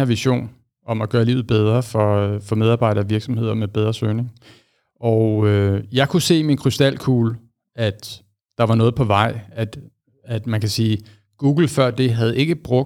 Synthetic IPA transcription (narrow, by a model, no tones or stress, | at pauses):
eɐ̰ʋiɕo̝̰ːn | ʔɒ̽mæɡ̥ɶːɐlḭːʊð̩ˠb̥eð̞ˠʁɐfɒ̽fɒ̽með̞ˠɑ̈ːb̥ɑ̈ɪɾ̥ɐʋiɐɡ̥sɒ̽mhe̝ð̞̰ˠɐmeb̥eð̞ˠʁɐsøːne̝ŋ | ʔɒʊøjɑ̈ɪkʰuse̝̰ːminkʰʁysd̥æl̰kʰuːl | æd̥ː | ɑ̈ʋɑ̈nɔ̽ːð̞̩ˠpʰɒ̽ʋɑ̈ɪ̰æd̥ | æd̥mænkʰæsiː | ɡ̥uːɡ̥l̩fɶɐ̰d̥e̝ɦæð̩ˠe̝ɡ̥əb̥ʁɔ̽ɡ̥̚